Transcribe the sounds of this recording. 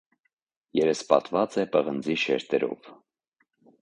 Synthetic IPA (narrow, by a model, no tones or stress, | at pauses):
jɛɾəspɑ̰t̪vɑt͡sɛpəʁənd͡ziʃɛɾt̪ɛɾɔ̰v